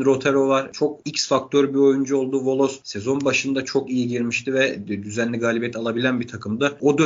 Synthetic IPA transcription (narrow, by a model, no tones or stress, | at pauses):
ɾo̞t̪ʰeɾo̞vaɾ̥t͡ʃʰo̞kicsfak̚t̪ʰøɾbio̞jund͡ʒuo̞lˠd̪uvo̞lˠo̞sse̞zo̞nbaʃɯnd̪at͡ʃʰo̞kijiɟiɾmiʃt̪ʰivɛd̪yzænlʲiɡaːlʲibjɛt̪ʰalˠabilʲænbit̪ʰakʰɯmd̪ao̞d̪ø